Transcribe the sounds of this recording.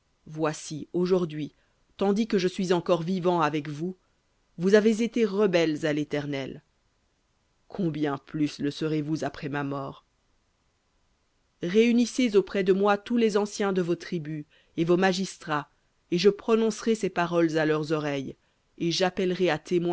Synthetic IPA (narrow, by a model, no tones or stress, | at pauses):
vwasioʒuʁd̪ɥi | t̪ɑ̃d̪ikəʒəsɥizɑ̃kɔʁvivɑ̃avɛkvu | vuzavezet̪eʁəbɛlzalet̪ɛʁnɛl | kʰɔ̃bjɛ̃plysləsəʁevuzapχɛmamɔːʁ | ʁeynisezopχɛd̪əmwat̪ulezɑ̃sjɛ̃d̪əvot̪χiby | evomaʒist̪χa | eʒəpχɔnɔ̃sʁesepaʁɔlzalœʁzɔʁɛj | eʒapɛlʁeat̪ʰemw